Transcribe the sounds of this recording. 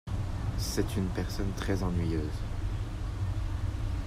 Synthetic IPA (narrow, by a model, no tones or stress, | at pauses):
sɛt̪ynpɛʁsɔnt̪χɛzɑ̃nɥijøːz